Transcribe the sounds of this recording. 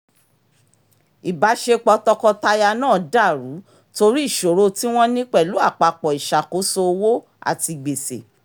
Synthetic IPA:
i˨ba˨˦ʃe˧k͡pɔ˧tɔ˧kɔ˧ta˧ja˧nãː˦˨da˦˨ɾu˨˦ | to˧ɾi˦i˦˨ʃo˨ɾo˧ti˦w̃ɔ̃˦nĩ˦k͡pɛ˦˨lu˨˦a˦˨k͡pa˧k͡pɔ˨i˨ʃa˨ko˨˦so˧wo˦ | a̰˦˨ti˧ɡ͡be˨se˨

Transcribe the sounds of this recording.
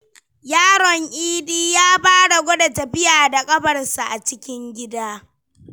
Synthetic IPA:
jaː˦ɽɔ˨ŋʔiː˦diː˦jaː˦baː˦ɽa˨ɡʷɔ˦dɐ˨tɐ˨bɪ˦jaː˨da˨kʼɐ˦bɐ˨rsa˨ʔa˨t͡ʃɪ˦kʲɪ˦ŋɡʲɪ˦daː˦

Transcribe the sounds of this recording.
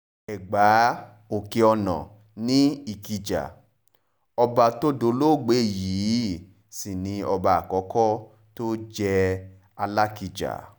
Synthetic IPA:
ɛ˨ɡ͡ba˨˦ | o˨ke˧ɔ˧nɔ̰̃˨ | nĩ˦i˨ki˧d͡ʒa̰˨ | ɔ˧ba˧to˦do˧lo˦˨ɡ͡be˨˦˨ji˨˦ | si˨nĩ˧ɔ˧ba˧a˨kɔ˨˦kɔ˦ | to˦d͡ʒɛ˦ | a˧la˦ki˧d͡ʒa̰˨

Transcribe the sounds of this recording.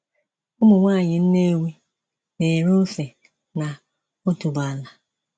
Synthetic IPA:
ʊ˦mʊ˨ŋʷaː˦˨ɲɪ˨n̩˦ne˦wʷi˦ | ne˨ɾo˦fe˨ | na˨ | o˦tu˨ba˨la˨

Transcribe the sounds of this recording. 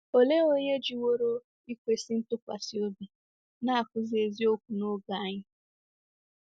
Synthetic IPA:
o˦le˦o˦ɲe˦d͡ʒi˨wo˦ɾo˦ | i˦kʷe˨si˦n̩˦tʊ˦kʷa̰˨si˨o˦bi˨ | na˦a˨kʷʊ˦ze˨zi˦o˦kʷu˨no˦ɡa˨a˦˨ɲɪ˦

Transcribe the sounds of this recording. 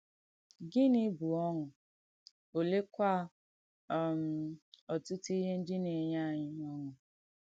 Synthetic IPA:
ɡɪ˦nɪ˦bu˨ɔ˦ŋʊ˨ | o˨le˦kʷa˦˨ | m̩˨ɔ˨tʊ˦ti˦ɦe˦n̩˦dɪ˦ne˨ɲa˦a˨ɲɪ˦m˦ɔ˦ŋʊ˨

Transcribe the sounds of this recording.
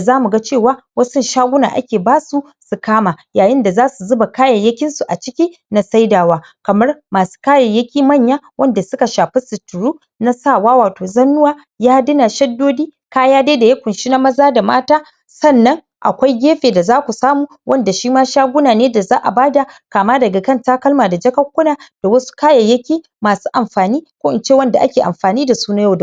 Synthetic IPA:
zaː˦mu˨ɡa˦t͡ʃeː˦˨waː˦wɐ˦sʊ˦nʃaː˦ɡʷʊ˦na̰ː˨ʔa̰˦kʲeː˨baː˦su˨ | su˨kaː˦ma˨jaː˨jɪ˦nda˨zaː˦su˨zʊ˦ba˨kaː˦jɐ˨jːɐ˦kʲɪ˦nsu˨ʔa˨t͡ʃɪ˦kʲiː˦ | na˨sa˦jdaː˨waː˦ | kɐ˨mɐ˦rmaː˨su̥˦kaː˦jɐ˨jːɐ˦kʲiː˦mɐ˦˨ɲjaː˦wʔɐ˦nda˨sʊ˦ka˨ʃaː˨ɸi˦sɪ˨tʊ˨ɾuː˦ | na˦saː˦˨waː˦waː˨toː˨zɐ˦nːʊ˦waː˦ | jaː˦dɪ˦na˨ʃɐ˦dːoː˦diː˦ | kaː˦jaː˦da˦da˨ja˦kʷʊ˨nʃi˦na˦mɐ˦zaː˦da˨ma̰ː˦taː˦ | sɐ˦˨nːɐ˦ŋ | ʔa̰˨kʷa˦jɡʲeː˦ɸeː˨da˨zaː˦kʷu˨saː˦muː˨ | wʔɐ˦nda˨ʃiː˦maː˦ʃaː˦ɡʷʊ˦naː˨neː˦da˨zaː˦ʔa̰˨baː˦da˨kaː˨maː˦dɐ˨ɡa˨kɐ˦ntaː˦kɐ˦lmaː˨da˨d͡ʒɐ˦kɐ˦kʷːʊ˦naː˨d̥a˨wɐ˦su̥˦kaː˦jɐ˨jɐ˦kʲiː˦ | maː˨su̥ː˦ʔa˨mɸaː˨niː˦kʷoː˦ʔɪ˨t͡ʃeː˦wɐ˦nda˨ʔa˦kʲeː˨ʔa̰˨mɸaː˨niː˦da˨suː˦na˦ja˦˨d

